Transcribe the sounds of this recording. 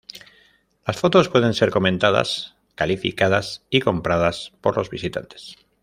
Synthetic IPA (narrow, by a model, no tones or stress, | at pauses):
lasfo̞t̪o̞spwe̞ð̞e̞nse̞ɾko̞mẽ̞nt̪að̞a̰s | kalifḭkaðasiko̞mpɾað̞aspo̞ɾlo̞zβisit̪a̰nt̪e̥s